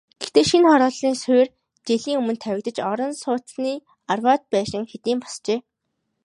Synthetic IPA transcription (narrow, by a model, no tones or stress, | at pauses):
ɡ̥ext̪eːʃinχɔɾɔːɮiːŋsʊjr | t͡ɕeɮiːŋɵmɵ̆nt̪ʰːæwʲɪ̆k̚t̪ə̆t͡ɕɔɾɞ̆nsʊːt̪niː | arwaːt̪̚pæːʃɪ̆ŋxet̪iːmpɔ̥st͡ɕeː